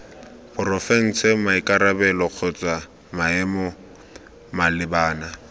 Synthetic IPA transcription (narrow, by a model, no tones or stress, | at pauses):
pʰʊrɔfɛŋ̩sɛmaikʼaɾabɛlɔq͡χʰɔt͡sʼa | maɛmɔ | malɪbaːna